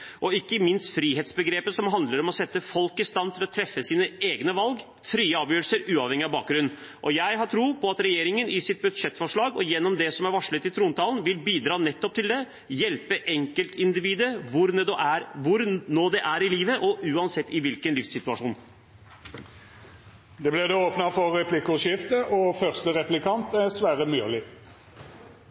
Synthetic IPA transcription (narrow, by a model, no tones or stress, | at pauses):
ʔɔɪkːəmɪnst̪fɾiːɦeːt̪sbəɡɾeːpəsɔmɦɑnd̪ləɾɔmɔsɛt̪ːəfɔlkɪst̪ɑnt̪ʰɪlɔt̪ʰɾɛfːəsiːnəeːɡnəʋɑlɡ | fɾiːəɑːʋjøːɾəlsəɾʉːɑʋhɛŋːɪɑʋbɑːk̚ɡɾʉnn̩ | ʔɔjæɪɦɑʈʰɾuːpʰɔɑt̪ɾɛjeːɾɪŋənɪsɪt̪̚bʉd̪ʂɛt̪ːfɔʂɭɑːɡɔjɛnːɔmd̪ɛsɔmæɾʋɑʂɭət̪ɪlt̪ʰɾuːnt̪ʰɑːlən̩ʋɪlbiːd̪ɾɑːnɛt̪ːɔp̚t̪ɪld̪ɛ | jɛlpəʔɛŋkəlt̪ʰɪnd̪ɪʋiːd̪əʋʊɾnɛd̪ɔʔæɾʋʊɾnoːd̪ɛʔæɾɪliːʋəʔɔʔʉːɑnsɛt̪ːɪʋɪlkənlɪfsɪt̪ʉɑʂuːn | d̪ɛblɛd̪ɛoːpnɑfɔːɛpʰlɪkʊʂɪft̪əʔɔfœʁst̪əɾɛplɪkʰɑnt̪æsʋæːɾəmyːlɪ